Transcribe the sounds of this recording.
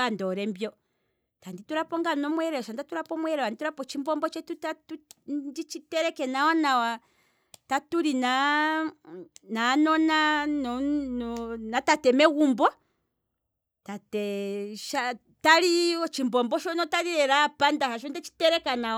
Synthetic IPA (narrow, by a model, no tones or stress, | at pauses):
andɔɾɛmbjɔ | tandituɾapɔŋɡanɔmwɛɾɛɔʃandatuɾapɔmwɛɾɛwandituɾapɔt͡ʃimbɔmbɔt͡ʃɛtutatundit͡ʃitɛɾɛkɛnawanawa | tatuɾina | nanɔnanɔnɔnatatɛmɛɣumbɔ | tatɛʃa | taliɔt͡ʃimbɔmbɔʃɔnɔtaɾiɾɛɾapandaɦaʃ̬ɔndɛt͡ʃi̥tɛɾɛkana